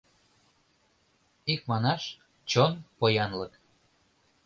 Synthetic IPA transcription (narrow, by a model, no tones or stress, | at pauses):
ik̚mɑnɑʃ | t͡ɕonpojɑnlək